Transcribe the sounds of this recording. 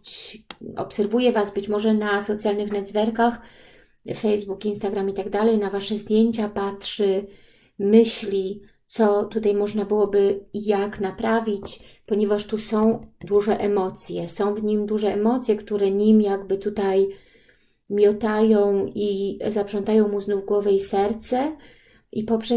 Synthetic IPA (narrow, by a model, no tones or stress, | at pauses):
t͡ɕɔ̰psɛɾvujɛvasbɘt͡ɕmɔʐɛnasɔt̪sʲjalnɘxnɛd̪zvɛɾkax | fɛjzbukinst̪aɡɾamit̪aɡd̪alɛjnavaʂɛzd̪ʲjeɲt͡ɕapatʂɘ | mɘɕlʲi | t̪sɔt̪ut̪ajmɔʐnabɘwɔbɘjaknapɾavʲit͡ɕpɔɲevaʂt̪usɔ̃w̃d̪uʐɛʔɛmɔt̪sʲjɛsɔ̃w̃vɲimd̪uʐɛɛmɔt̪sʲjɛkt̪uɾɛɲimjaɡbɘt̪ut̪aj | mʲjɔt̪ajɔ̃w̃izapʂɔnt̪ajɔ̃w̃muznuvɡwɔvɛisɛɾt̪sɛ | ʔipɔpʂɛ